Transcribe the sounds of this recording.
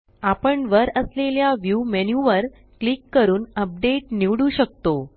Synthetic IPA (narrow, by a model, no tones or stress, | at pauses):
apəɳʋəɾəsleljaʋjumenjuʋəɾ | klikːəɾuːnəp̚ɖeʈniʋɽuɕək̚t̪o